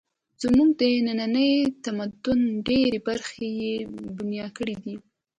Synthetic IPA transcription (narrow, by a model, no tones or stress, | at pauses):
z̥muɡ̚d̪ənananəjt̪amad̪ʊnɖeɾebaɾxejebunjɑd̪kəɽid̪i